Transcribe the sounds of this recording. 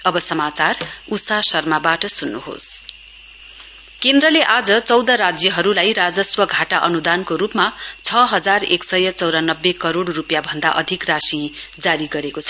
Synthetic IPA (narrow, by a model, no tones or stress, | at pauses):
ʌbʌsʌmat͡sarusasʌrmabaʈʌsunːṵɦo̰s | kend̪ɾʌleʔad͡zʌt͡sʌwd̪ʌɾad͡zjʌɦʌɾulajɾad͡zʌswʌɡʱaʈaʔʌnud̪ankoɾupmat͡sʰʌɦʌd͡zareksʌjʌt͡sʌwɾanʌbːekʌɾoɽrupjabʱʌnd̪aʔʌd̪ʱikrasid͡zaɾiɡʌɾekot͡sʰʌ